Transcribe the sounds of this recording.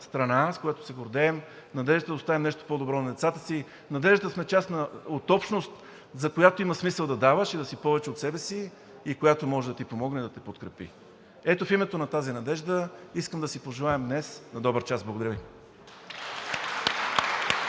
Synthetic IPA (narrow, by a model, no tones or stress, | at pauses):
st̪ɾɐnaskojat̪o̥sɛɡoɾd̪ɛːm | nɐd̪ɛʒd̪ət̪əd̪ɐost̪avimnɛʃt̪o̥pod̪obɾɔnɐd̪ɛt̪sat̪əsi | nɐd̪ɛʒd̪t̪əsmɛt͡ʃasnɐot̪ɔpʃnost̪ | zɐkojat̪oimɐsmisəlˠd̪ɐd̪avəʃid̪ɐsipɔvɛt͡ʃɛot̪sɛbɛsiː | kojat̪omɔʒɛd̪ɐt̪ipomɔɡnɛd̪ɐt̪ɛpot̪kɾɛpḭ | ɛt̪ofimɛt̪onɐt̪azinɐd̪ɛʒd̪əiskəmd̪ɐsipoʒɛlˠaɛmd̪nɛsnɐd̪ɔbəɾt͡ʃasblˠɡod̪ɐɾvi